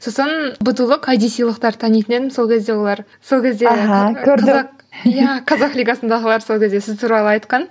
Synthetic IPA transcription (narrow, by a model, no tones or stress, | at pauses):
so̞sənbʊt̪əlˠəqʰɑjd̪ijsijlˠəqt̪ɑɾt̪ʰɑnijt̪ɪne̞d̪ɪmso̞lˠkʲʰe̞zd̪e̞wo̞lˠɑɾ | so̞lˠkʲʰe̞zd̪eɦɑkʲʰɵɾdɑɪɑq | jæqʰɑzɑqlʲijɡɑsənd̪ɑʁəlˠɑɾso̞lkʲʰe̞zd̪esɪzt̪ʰuɾɑlˠəɑjt̪qɑn